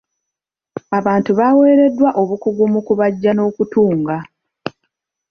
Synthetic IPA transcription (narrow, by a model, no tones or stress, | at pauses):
aβaːntuβaːwe̞ːɾe̞dːwaʔo̞βukuɡumukuβaɟːano̞ːkutuːŋɡa